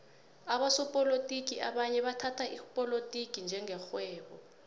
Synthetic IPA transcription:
aɓasɔpʼɔlotʼik̬ʼiaɓaɲɛɓatʰatʰaʔipʼɔlotʼikʼind͡ʒʱɛŋʱɛxwɛːɓɔ

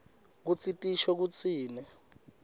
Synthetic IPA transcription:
k̬ut͡sʰitʼiʃɔk̬ut͡sʰiːnɛ

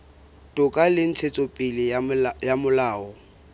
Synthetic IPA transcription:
tʼʊkʼalɪn̩t͡sʰet͡sʼɔpʼɪlɪjamʊlaːɔ

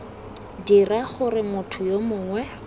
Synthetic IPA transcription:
diraχʊrɪmʊtʰʊjomʊːŋwɛ

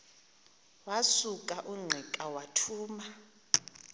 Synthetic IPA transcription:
wasukʼaʔuŋ͡ǀʱɛkʼawatʰuːma

